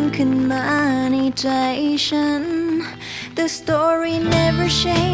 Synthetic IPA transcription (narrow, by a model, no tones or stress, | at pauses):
nkʰɨ̃nmanid͡ʒʰeʃən | ðɨstɔɹinɛvə˞ʃẽɪ̃